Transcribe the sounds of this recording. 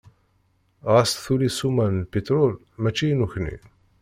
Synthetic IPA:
ʁast̪θulisumænlpit̪ɾʊl | mæt͡ʃːijnuçnḭ

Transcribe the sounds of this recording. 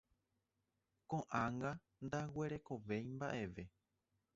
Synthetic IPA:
kõʔãŋɡa | nd̪awe̞ɾe̞ko̞ʋe̞jmbaʔe̞ʋe̞

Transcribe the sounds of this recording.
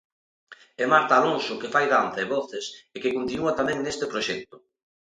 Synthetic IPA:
emaɾt̪aːloŋsʊkefajðanθaeβɔθesekekont̪inuat̪amɛ̃ŋnest̪ɪpɾoʃɛk̚t̪ʊ

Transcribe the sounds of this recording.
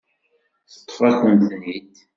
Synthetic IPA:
θə̥t̪ˤːfɑθənd̪ðnit̪

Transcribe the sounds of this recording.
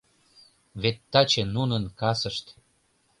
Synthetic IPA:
βet̪ːɑt͡ɕenunənkɑsəʃt̪

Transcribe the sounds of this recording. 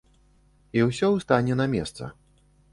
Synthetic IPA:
iwsʲɔwst̪anʲɛnɐmʲɛst̪sɐ̰

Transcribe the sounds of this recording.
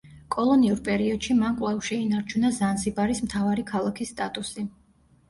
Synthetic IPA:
kʼɔlˠɔniuɾpʼɛɾiɔd̪̥ʃimankʼlɛvʃɛinaɾt͡ʃʰunazansibaɾismt̪ʰavaɾikʰalˠakʰisːt̪ʼat̪ʼusi

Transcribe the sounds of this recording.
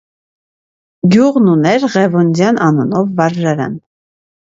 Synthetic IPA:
ɡjuʁnunɛɾʁɛvund͡zjɑnʔɑnunɔvːɑɾʒɑɾɛ̰n

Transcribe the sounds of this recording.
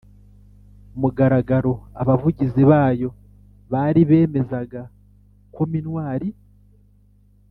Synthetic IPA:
muɡaɾaɡaɾo̞aβavuɟiziβaːjo̞ | βaːɾiβe̞ːme̞zaɡa | ko̞minwaːɾi

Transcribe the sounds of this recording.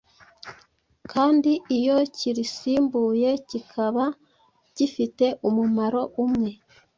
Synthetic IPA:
kʰaːndiʔijo̞ciɾisiːmbuːje̞cikʰaβa | cifite̞ʔumumaɾo̞ʔumŋe̞

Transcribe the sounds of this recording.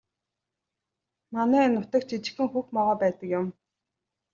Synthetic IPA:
manæːnʊt̪ə̆k̚t͡ɕʰit͡ɕɪ̥̆xɘ̆ŋxuxmɔʁœːpæːt̪ə̆kjʊm

